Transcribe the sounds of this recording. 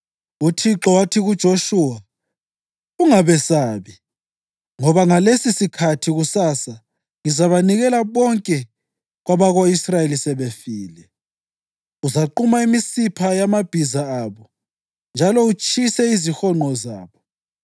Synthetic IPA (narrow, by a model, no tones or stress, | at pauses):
utʰiǁɔwatʰiɣud̥ʒ̥ʱoʃuwa | uŋaβɛsaːβi | ŋɔβaŋalesisikʰatʰiɣusasa | ŋizaβaniɣɛlaβɔŋkʼɛ | ɣwaβaɣoisrajelisɛβefiːlɛ | uzaǃumaimisipʰajamab̥ʱizaaːβɔ | nd͡ʒʱalɔut͡ʃʰʼisɛizixɔŋ͡ǃʱɔza̰ːβɔ